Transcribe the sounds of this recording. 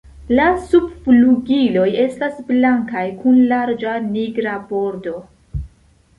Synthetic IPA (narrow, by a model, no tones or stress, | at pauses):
lasubfluɡilo̞je̞stasblaŋkajkʰunlaɾd͡ʒaniɡɾabo̞ɾdo̞